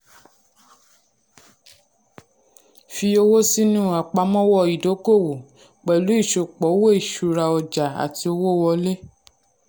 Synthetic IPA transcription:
fi˧o˧wo˦si˦nũ˦˨a˨k͡pa˧mɔ̃˦wɔ˦˨i˨do˨˦ko˦˨wo˨ | k͡pɛ˨lu˨˦i˦˨ʃo˨k͡pɔ˨˦wo˦i˦˨ʃu˨˧ɾa˧ɔ˧d͡ʒa˨a̰˨ti˧o˧wo˦˨wɔ˧le˦

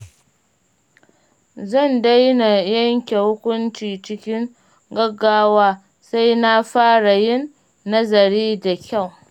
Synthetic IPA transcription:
zɐ˦˨nda˦jna˨jɐ˦ŋkʲe˨hʊ˦kʷʊ˦nt͡ʃiː˨t͡ʃɪ˦kʲɪ˦ŋ | ɡɐ˦ɡːaː˦waː˦ | sa˦jna˦ɸaː˦ɽa˨jɪ˦nː | ɐ˦zɐ˨ɾiː˦da˨kʲa˦˨w

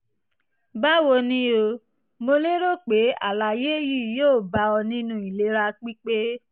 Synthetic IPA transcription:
ba˦wo˧nĩ˦o˧ | mo˧le˦ɾo˦˨k͡pe˨˦a̰˦˨la˨je˦ji˦˨joː˦˨ba˧ɔ˧nĩ˦nũ˦i˨le˨˦ɾa˧k͡pi˦k͡pe˦

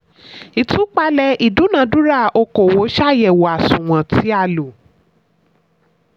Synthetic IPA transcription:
i˨tũ˨˦k͡pa˧lɛ˧i˨dũ˨˦nã˨˦dũ˦ɾa˦˨o˧ko˨wo˨˦ʃa˦˨jɛ˨wo˨a˨sũ˨w̃ã˨tʰi˨˦a˧˨lo˨

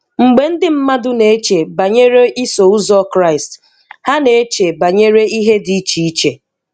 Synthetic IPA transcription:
ŋ͡m̩˨ɡ͡be˨n̩˦dɪ˦m̩˦ma˦dʊ˦ne˨e˦t͡ʃe˨ba˨ɲe˦ɾe˦ʔi˦so˨u˦zɔ˦kɾa˦˨ɪ˨st | ha˦ne˨e˦t͡ʃe˨ba˨ɲe˦ɾe˦i˦ɦe˦di˨˦t͡ʃi˨i˦t͡ʃe˨

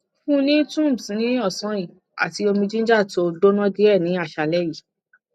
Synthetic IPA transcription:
fũ˦nĩ˦tũ˦˨msnĩ˦ɔ˦˨sɔ̃˨˦ĩ˦˨ | a̰˨ti˧˦o˧mĩ˧d͡ʒĩ˦n̩˦d͡ʒa˦˨to˧do˦nɔ̃˦di˦ɛ˦˨nĩ˨˦a˦˨ʃa˨lɛ˦ji˦˨

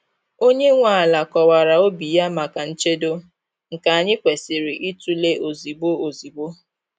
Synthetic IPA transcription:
o˦ɲe˦ŋʷa˨a˨la˨kɔ˨wa˨ɾa˨o˦bi˨ja˦ma˨ka˨n̩˦t͡ʃe˦do˦ | ŋ̩˨ka˨a˨ɲɪ˦kʷe˨sɪ˨ɾɪ˨ʔi˦tu˦le˦ʔo˨zi˨bo˦o˨zi˨bo˦

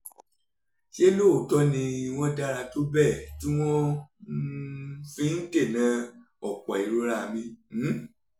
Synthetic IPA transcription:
ʃi˦e˦lo˦˨tɔ˦nĩ˧i˧w̃ɔ̃˦da˧ɾa˧to˦bɛ˦˨tĩ˦w̃ɔ̃˦ | fĩ˦n̩˦te˦˨nã˨˧˦ | ɔ˨k͡pɔ˨i˨ɾo˧˦ɾa˦˨mĩ˧˦˨

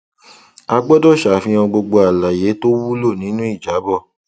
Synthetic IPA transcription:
a˧ɡ͡bɔ˦dɔ˦˨ʃa˨fĩ˧ɔ̃˧ɡ͡bo˧ɡ͡bo˧a˨la˨je˨˦to˦wu˦lo˦˨nĩ˨˦nũ˦i˦˨d͡ʒa˨˦bɔ˦˨

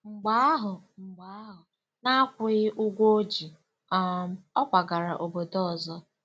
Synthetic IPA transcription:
ŋ͡m̩˨ɡ͡ba˦a˦ɦʊ˨ŋ͡m̩˨ɡ͡ba˨˦a˦ɦʊ˨ | na˦a˦kʷʊ˨ɣɪ˦ʔʊ˦ɡʷo˦o˦d͡ʒi˨ | a˦ɔ˦kʷa˨ɡa˨ɾa˨ʔo˨bo˨dɔ˦˨zɔ˦

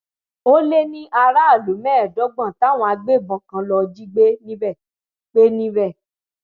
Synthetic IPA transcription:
o˦le˦nĩ˦ʔa˧ɾa˦a˦˨lo˨˦mɛ̃ː˦˨dɔ˨˦ɡ͡bã˦˨ta˨˦˨w̃ɔ̃˧a˧ɡ͡be˦˨bɔ̃˨˦kã˨˦lɔ˧d͡ʒi˦ɡ͡be˦nĩ˦bɛ˦˨ | ɡ͡b̥e˦nĩ˦bɛ˦˨

